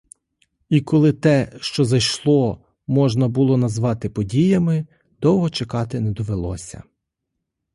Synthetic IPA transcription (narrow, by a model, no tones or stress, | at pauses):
ikɔlˠɪt̪ɛʃt͡ʃɔzɐjʃlˠɔ | mɔʒnɐbʊlˠɔnɐzʋɑt̪ɪpɔdʲijɐmɪ | d̪̥ɔwɦɔt͡ʃekɑt̪ɪnɛd̪ɔʋelˠɔ̰sʲɐ̰